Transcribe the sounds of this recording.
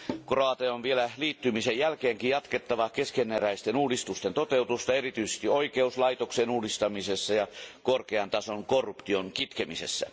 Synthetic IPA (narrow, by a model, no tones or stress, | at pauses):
kroɑt̪eonʋielæliːt̪ːymisejjælkeːŋkijjɑt̪ket̪ːɑʋɑkeskenːeræist̪enuːdist̪ust̪ent̪ot̪eut̪ust̪ɑerit̪yisest̪ioikeuslɑit̪oksenuːdist̪ɑmisesːɑjɑkorkeɑnt̪ɑsoŋkorːupt̪ionkit̪kemisḛsːæ̰